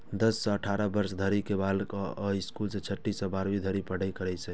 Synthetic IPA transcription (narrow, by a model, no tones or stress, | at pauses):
d̪əsːə̃əʈʰaɾəbəɾsd̪ʱəɾikebalkəiskulsə̃t͡ʃʰəʈːisə̃baɾbid̪ʱəɾipəɽ̤əjkəɾɛt͡ʃʰɛ